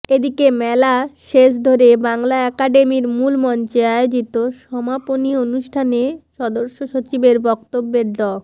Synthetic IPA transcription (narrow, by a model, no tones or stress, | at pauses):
ed̪ikemɛlaʃeʃ̬d̪ʱoɾebaŋlaɛkaɖemiɾmulmɔnt͡ɕeaeod͡ʑit̪oʃɔmaponionuʃʈʰaneʃɔd̪oɾʃoʃot͡ɕibeɾbɔkt̪obːeɾɖɔ